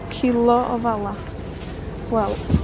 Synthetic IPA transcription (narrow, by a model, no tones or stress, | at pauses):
kʰɪlˠɔʔɔ̰valˠa | wɛlˠ